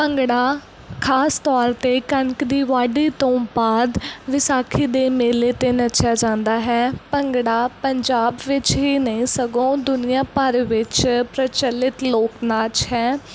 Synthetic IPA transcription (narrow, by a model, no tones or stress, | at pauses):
pəŋɡɽaː | kʰaːst̪ɔːɾt̪eːkənkd̪iːʋaːɖiːt̪õːbaːd̪ʋɪsaːkʰiːd̪eːmeːleːt̪eːnət͡ʃʰjaːd͡ʒãːnd̪aːɦɛːpəŋɡɽaːpəɲd͡ʒaːbʋɪt͡ʃɦiːnəĩːsəɡõːd̪ʊnɪjãːpəɾʋɪt͡ʃpɾət͡ʃəlːɪt̪loːknaːt͡ʃɦɛː